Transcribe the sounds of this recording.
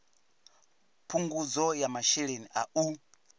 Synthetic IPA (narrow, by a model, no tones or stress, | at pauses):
pʰuŋɡud͡zɔjamaʃɛɺeniʔa̰ʔu